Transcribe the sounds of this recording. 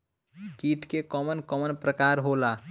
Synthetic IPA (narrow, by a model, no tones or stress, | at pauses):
kiʈʰkekɔːmənkɔmənpɾəkaːɾɦola